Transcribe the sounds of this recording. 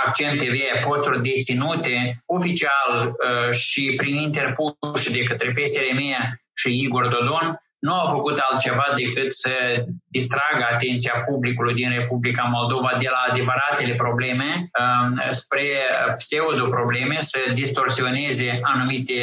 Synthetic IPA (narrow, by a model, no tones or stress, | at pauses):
ak̚t͡ʃient̪eveapo̞st̪urʲd̪e̞t̪sinut̪e̞o̞fit͡ʃialʃipɾinint̪e̞rpuʃd̪e̞kət̪ɾe̞p̬e̞selemeja | ʃiiɡo̞rd̪o̞d̪o̞nː | uawfəkut̪alt̪̚t͡ʃe̞vad̪e̞kɨt̪səd̪ist̪ɾaɡəat̪e̞nt̪siapublikulujd̪inre̞publikamo̞ld̪o̞vad̪e̞laːd̪e̞vəɾat̪e̞le̞pɾo̞ble̞me̞ | spɾe̞pseud̪opɾo̞ble̞me̞səd̪ist̪o̞rsio̞ne̞ze̞anumit̪e̞